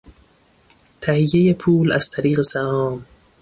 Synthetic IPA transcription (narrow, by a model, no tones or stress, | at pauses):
t̪ʰæhijːejepʰuːlæz̥t̪ʰæɾiːɣesæhɒːm